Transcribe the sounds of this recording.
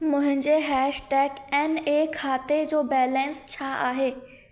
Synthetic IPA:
mʊ̃ɦɪ̃ɲd͡ʑeɦɛːʃʈɛːɡɛnekʰaːt̪ed͡ʑoːbɛːlɛ̃nst͡ɕʰaʔa̰ːɦeː

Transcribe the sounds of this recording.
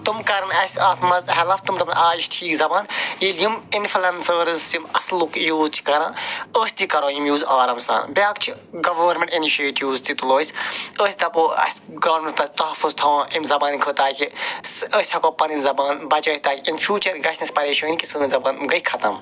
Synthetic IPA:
t̪umkɐɾɐnɐsʲɐːt̪mɐzɐɦɐlɐft̪umt̪ɐmnaːjiʃʈʰiːkzɐbaːnjiljiminflɐnsəːɾɨzjimɐslukjuːzt͡ʃʰi̥kɐɾãːəːsʲt̪ikɐɾoːjimjuːzaːɾɐmsa̰ːnbʲaːkt͡ʃʰi | ɡɐʋɐːɾmẽɳʈiniʃeːʈuːzt̪it̪uloːisʲəːsʲt̪ɐpoɐ̰sʲɡɐʋɐɾmẽɳʈt̪ɐst̪ɐɦɐfːuzt̪ʰɐwãːʔimzɐbaːnkʰəːt̪aːkʰisəːsʲʰɐkopɐɾinzɐbaːnbɐt͡ʃɐːit̪aːkiinfʰʲjuːt͡ʃɐɾɡɐsʲnisʲpɐɾeːʃɐːnikʲisəːnzɐbaːnmɡɐikʰɐt̪ɐm

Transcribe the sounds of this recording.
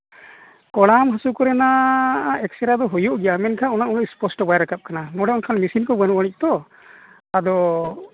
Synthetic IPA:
kɔɽamɦasukɔɾɛna | ɛksɛɾad̪ɔɦujuʔɡɛjamɛnkʰaɔnaʔɔnɔʔspɔsʈɔbajɾakap̚kananɔɽɛɔnkʰanmisinkɔbənuwaɽ̃ic̚t̪ɔ | ad̪ɔ

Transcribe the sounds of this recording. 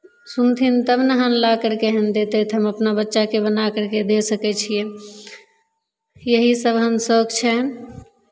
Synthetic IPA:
sunt̪ʰint̪əbnəɦənlakəɾkeɦənd̪et̪ɛt̪ɦəməpnabətːʃakebənakəɾked̪esəkɛt͡ʃʰije | jəɦisəbɦəmsəkt͡ʃʰɛɦn

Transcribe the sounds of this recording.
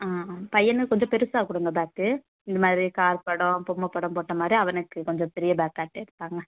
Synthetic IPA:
aːpɐjːɐnɯkɔɲd͡ʒɔ̃pɛɾɯsaːkːʊːɽɯŋɡɐbaːk̚ʈɯ | ɪnd̪ɐmaːd̪ɾikaːɾpɐɽõpɔmːɐpːɐɽɐ̃poːʈːɐmaːd̪ɾiɐʋɐnɯkːɯkɔɲd͡ʒɔ̃pɛɾɪjɐbaːkaːʈːeɪɾɯt̪ːaːŋɡɐ

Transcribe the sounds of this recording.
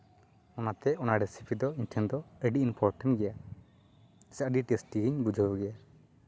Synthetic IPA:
ɔnat̪ɛɔnaɖɛsipʰid̪ɔinʈʰɛnd̪ɔɛɖiinpʰɔɾʈɛnɡɛja | saʔɖiʈɛsʈiɡiɲbud͡ʒʱəbɔɡɛja

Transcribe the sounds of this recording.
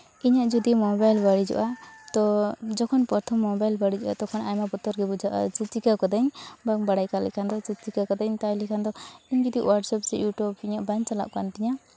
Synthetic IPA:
iɲaʔd͡ʒɔd̪imɔbajlbaɽid͡ʒɔ̰ʔat̪ɔd͡ʒɔkʰɔnpɾɔt̪ʰɔmːɔbajlbaɽid͡ʒɔʔat̪ɔkʰɔnaɲmabɔt̪ɔɾɡɛbud͡ʒʱaʔa̰t͡ʃit͡ʃikakɔd̪aɲbaŋbaɽajkalɛ̰ʔkʰand̪ɔt͡ʃit͡ʃikakɔd̪aɲt̪alikʰand̪ɔiɲd͡ʒud̪iʔwaɾʈsɔp̚t͡ʃɛjuʈjubiɲaʔbaɲt͡ʃala̰ʔkanʈiɲa

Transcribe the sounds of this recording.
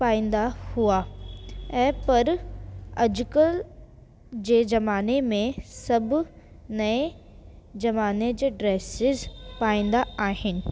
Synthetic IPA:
paːĩːn̆d̪ahua | ɛ̃ːpɐɾ | ɐd͡ʑʊkəl | d͡ʑeːzɐmaːnemẽsɐbʱ | nɐe | zɐmaːned͡ʑɖɾeːsɪzpaːĩːnd̪aaːɦɪnɪ̆

